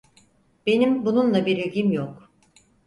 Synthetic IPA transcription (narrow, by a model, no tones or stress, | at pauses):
b̥e̞nimbununlˠabiɾiɟʲimjok